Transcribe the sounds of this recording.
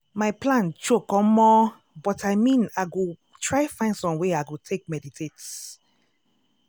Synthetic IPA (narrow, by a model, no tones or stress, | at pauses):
maɪplãnt͡ʃokɔ̃mmɔ | bɔtʰaɪmĩnaɪɡo | tʰɹaɪfãɪ̃ndsɔ̃mweaɪɡotʰek̚mɛditʰet